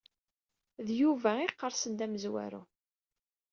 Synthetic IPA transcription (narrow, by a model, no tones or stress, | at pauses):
ðjuvæɪqːəɾˤsənd̪æməzwæ̰ɾṵ